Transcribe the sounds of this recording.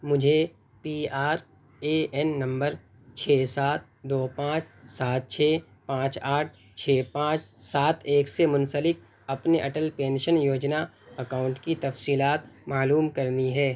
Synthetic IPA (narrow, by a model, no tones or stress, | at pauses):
mʊd͡ʒʱe | piːaːɾ | eːɛnːɐ̃mbəɾ | t͡ʃʰɛːsaːt̪̚d̪oːpãːt͡ʃsaːt̪̚t͡ʃʰeː | pãːt͡ʃaːʈʰ | t͡ʃʰeːpãːt͡ʃsaːt̪ʰeːksemʊ̃nsəlɪk̚ | ɐpneʔɐʈəlpẽːnʃənjoːd͡ʒna | ɐkaːʊ̃ɳʈkit̪ɐfsiːlaːt̪maːluːmkɐɾniɦɛː